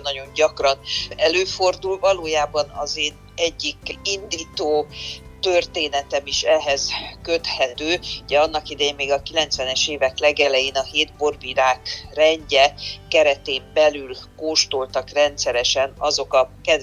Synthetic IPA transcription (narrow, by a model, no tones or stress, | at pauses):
nːɒɟo̞ɲɟɒkrɒnɛløːford̪ulvɒloːjaːbɒnɒ̰zeːn | ɛɟːikind̪iːt̪oː | t̪ørt̪eːnɛt̪ɛmiʃɛɦɛz̥kø̞t̪hɛt̪øːuɟɛɒnːɒkid̪ɛjemːeːɡɒkilɛnt̪sʋɛnɛʃeːvɛklɛɡɛlɛjeːnɒheːd̪bo̞rviɾaːkrɛɲɟɛkɛɾɛt̪eːmbɛlylkoːʃt̪olt̪ɒkrɛnt̪sɛɾɛʃɛnɒzo̞kɒkɛd̪